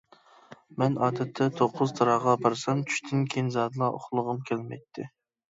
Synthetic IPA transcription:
mɛnɑːd̪ɛt̪ʰːɛt̪ʰoqʰːʊzt̪ʰɑɾɑʁɑbɑɾsɑnt͡ʃʰy̥ʃt̪ʰɪnkʲʰenzɑːd̪ɨlˠɑʔo̰χlˠʊʁʊmkʲʰælmɛ̰jt̪ʰːɪ

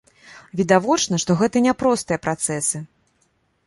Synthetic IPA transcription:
vʲid̪avɔt͡ʂnɐʂt̪ɔɣɛt̪ɐnʲɛpɾɔst̪ɨjɐpɾat̪sɛsɨ

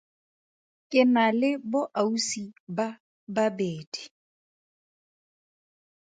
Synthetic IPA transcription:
kʼɪnalɪbʊʔausiba | babeːdi̥

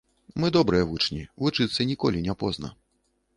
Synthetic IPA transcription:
mɨd̪ɔbɾɨjɛvut͡ʂnʲivut͡ʂɨt̪sːɐnʲikɔlʲinʲapɔznɐ̰

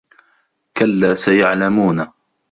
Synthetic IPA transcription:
kalːaːsajaʕlamuːna

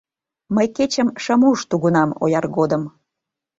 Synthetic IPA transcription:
məjket͡ɕəmʃəmuʃt̪uɣunɑmo̰jɑrɣod̪əm

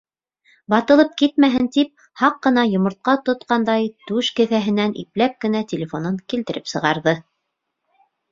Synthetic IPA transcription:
bɑt̪ɤ̆lˠɤp̚kit̪mæɦɘnt̪ip̚ | hɑqːɤ̆nɑjŏmŏɾt̪̚qɑt̪ŏt̪qɑnd̪ɑjt̪ʉʃkɘ̆θæɦɘ̆nænʔḭplæp̚kɘ̆næt̪ʲelʲɪfonoŋkilt̪ɘ̆ɾɘpsɤ̆ʁɑɾðɤ

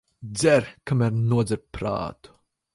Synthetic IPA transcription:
d̪zɛɾkamæɾnuɔd̪zɛɾpɾa̰ːt̪u̥

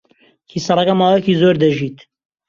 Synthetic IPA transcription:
kʰiːsɑrˤɐkɐmaːwɛkiːzoːɾd̪ɐʒiːt̪

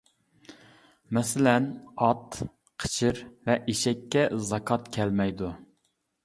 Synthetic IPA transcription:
mɛsɪlɛnɑt̪ | qʰə̥t͡ʃʰɪɾvɛʔeʃɛkʲʰːɛzɑkʰɑt̪kʲʰɛlmɛjd̪u

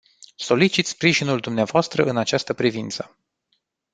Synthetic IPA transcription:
so̞lit͡ʃit̪spɾiʒinuld̪umneavoast̪ɾəɨnat͡ʃast̪əpɾivint̪sə

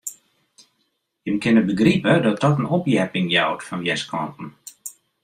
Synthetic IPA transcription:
jəmkɪnəbəɡripədɔt̚d̥ɔtənopjɛpɪŋjawtfɔnʋjɛskʰɔntn̩

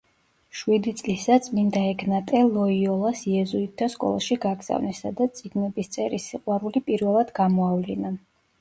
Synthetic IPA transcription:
ʃwid̪it̪sʼlisat̪sʰʼmind̪aɛkʰnat̪ʼɛlˠɔiɔlˠasiɛzuit̪ʰːaskʼɔ̰lˠa̰ʃiɡaɡz̥a̰vnɛsad̪at̪sʼiɡnɛbist̪sʼɛɾisiqʼwaɾulipʼiɾvɛlˠad̪̥ɡamɔavlina

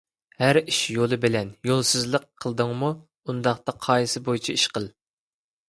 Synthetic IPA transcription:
hæɾiʃjolˠɨbɪlɛnjolˠsɨzlˠəqʰːəlˠɨd̪ɨŋmu | und̪ɑχt̪ɑqʰɑːjisɨbojit͡ʃʰiiʃqəlˠ

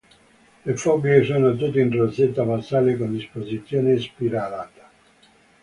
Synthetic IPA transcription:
lefɔɡesoːnot̪̬ut̪ːeintɾoset̪ːafasaːlekond̪ispozit̪sːjoːnespiɾalaːt̪ḁ

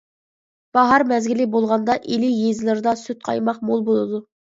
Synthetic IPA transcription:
b̥ɑɦɑɾmɛzɡʲilɪbolˠʁɑnd̪ɑʔelɪjezlˠɨɾd̪ɑsyt̪̚qʰɑ̰jmɑχmolˠbolˠɨd̪u

